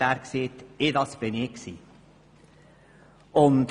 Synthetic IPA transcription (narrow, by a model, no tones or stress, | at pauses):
æːɾkseːt̪ɪd̪ɑsb̥ɪnɪksiː | ʊnd̪